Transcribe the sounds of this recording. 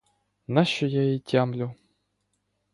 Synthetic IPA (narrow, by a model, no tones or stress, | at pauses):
naɕɔjaitʲamlʲu